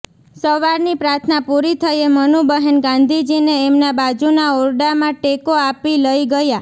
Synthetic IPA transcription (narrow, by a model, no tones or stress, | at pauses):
səʋaɾnipɾaɾt̪ʰnapuɾit̪ʰəjemənubəɦenɡãnd̪ʱid͡ʒineːmnabad͡ʒunaoɾɖamãʈekoapiləiɡəja